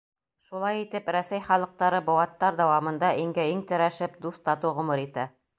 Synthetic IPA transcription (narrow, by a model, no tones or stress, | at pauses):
ʃulˠɑjit̪ɘpɾæsæjχɑlˠɤ̆q̚t̪ɑɾɤbŏwɑt̪ːɑɾd̪æwɑmɤ̆nd̪ɑʔiŋɡæiŋt̪ɘ̆ɾæʃɘp̚d̪ust̪ɑt̪uʁŏmɤɾit̪æ